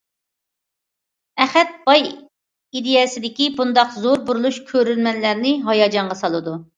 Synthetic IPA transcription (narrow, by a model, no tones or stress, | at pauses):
ɛχɛt̪̚b̥ɑj | id̪ejɛsɪd̪ɪkʲibund̪ɑqzoɾbuɾulˠuʃkʲʰøɾylmɛnlæɾnɪɦɑjɑd͡ʒɑɴʁɑsɑlˠɨd̪u